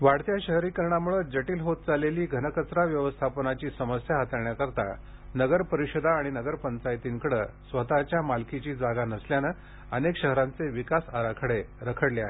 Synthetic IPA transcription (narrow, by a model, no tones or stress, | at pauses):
ʋaɽt̪jaɕəɦɾiːkəɾɳamuɭəd͡ʑəʈiːlɦot̪̚d͡zaleliːɡʱənəkət͡sɾaʋjəʋəst̪ʰapnat͡ɕiːsəməsjaɦət̪əɾɳjakəɾt̪a̰ | nəɡəɾpəɾiɕəd̪aːɽ̃inəɡəɾpənt͡sajt̪iŋkəɽəsʋət̪at͡ɕjamalkit͡ɕiːd͡zaɡanəsljanə | ənekɕəɦɾant͡seʋikasaɾakʰəɽeɾəkʰəɽleaɦe